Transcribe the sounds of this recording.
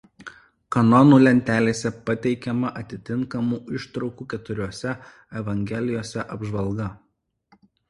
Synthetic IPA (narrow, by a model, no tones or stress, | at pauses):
kɐnɔnuːlʲɛnʲt̪ʲæːlʲeːsʲɛpɐt̪ʲɛɪkʲɛmɐʔɐt̪ʲɪt̪ʲɪŋkɐmuːɪʃt̪ɾɒʊkuːkʲɛt̪ʊɾʲuɔsʲɛ | ɛʋɐŋʲɡʲɛlʲɪjoːsʲɛʔɐbʒʋɐlˠɡɐ